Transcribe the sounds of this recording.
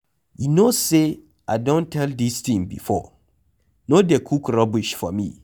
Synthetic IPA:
junose | aɪdõntʰɛldist̪ĩmbḭfɔ̰ | nodɛkʰukɾɔbiʃfɔ̰mḭ̃

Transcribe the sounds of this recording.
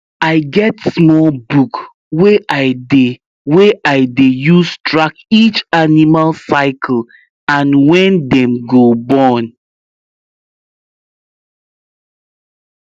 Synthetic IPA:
aɪɡɛtsmɔlbuk | weʔaɪde | weʔaɪdejustɹakit͡ʃanimalsaɪkʰl̩ | ãnwɛ̃ndɛ̃mɡobɔ̃n

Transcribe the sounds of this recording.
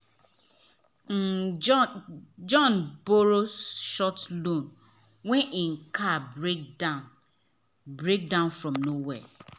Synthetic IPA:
m̩ | d͡ʒɔnboɾoʃɔtlũn | weiŋ̩kʰabedn | bɾek̚dãʊnfɾɔmnowe

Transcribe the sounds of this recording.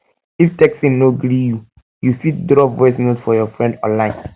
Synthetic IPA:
iftɛksĩnnoɡɾiju | jufitdɾɔvɔɪsnosfɔjɔfɹɛ̃ndɔ̰̃nlãɪ̃n

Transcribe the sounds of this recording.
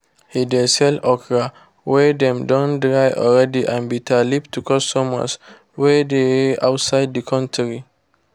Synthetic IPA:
hidesɛlɔkɹa | wɛdɛ̃mdɔ̃ndɹajʔɔ̰lɹɛdiʔãnbitʰalip̚tʰːukʰɔstɔma̰s | wɛdeeaʊtsaɪddikʰɔ̃ntɹi

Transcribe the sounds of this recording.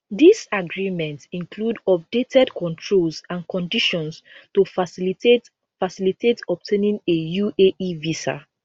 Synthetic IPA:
ðisaɡɹimɛ̃ntĩŋkʰludɔp̚detʰɛdkʰɔ̃ntʰɹolsãnkʰɔ̃ndiʃɔ̃ns | tufse | fasilitʰetɔp̚tʰẽnĩnejuʔeʔivisa̰

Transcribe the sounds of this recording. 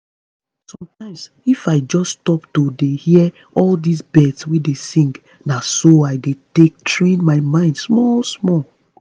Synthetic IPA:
sɔ̃mtãɪ̃ms | ifaɪd͡ʒɔstɔptodehi | ɔldisbɛdswidesĩŋɡ | nasoaɪdetek̚tʰɹẽnmaɪmãɪ̃ndsmɔlsmɔl

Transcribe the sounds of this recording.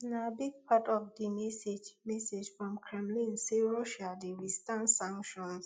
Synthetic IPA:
ĩnabiɡ̚pʰatɔvdimɛsed͡ʒmɛsed͡ʒfɹɔ̃mkʰɹɛ̃mlĩnsiɹɔʃadiwistãnsãŋkʃɔ̃ns

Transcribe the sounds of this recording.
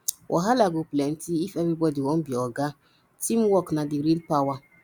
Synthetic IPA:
wʔɔ̰ɦalaɡoplɛntiifɛbibɔdiwɔnbiɔɡa | timwɔknadiɾilpawa

